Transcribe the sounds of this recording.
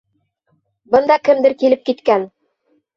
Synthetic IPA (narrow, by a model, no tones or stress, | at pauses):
bɤ̆nd̪ɑkɘ̆md̪ɘɾkilɘp̚kit̪kæn